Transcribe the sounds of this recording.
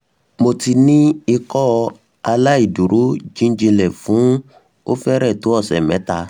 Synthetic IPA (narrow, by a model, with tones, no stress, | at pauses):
mo˧ti˧nĩ˦i˧kɔ˦˧ | a˧la˦i˦˨du˨ɾo˨˦d͡ʒĩ˦n˦d͡ʒĩ˧lɛ˨fũ˨˦ | o˦fɛ˦ɾɛ˦˨to˨˦ɔ˦˨sɛ̰˨mɛ̃˨˦ta˧